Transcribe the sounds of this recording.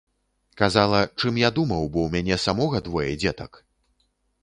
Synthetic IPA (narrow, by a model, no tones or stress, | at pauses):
kazalˠɐt͡ʂɨmjad̪umɐwbɔwmʲanʲɛsamɔɣɐd̪vɔjɛ̰d͡zʲɛt̪ɐk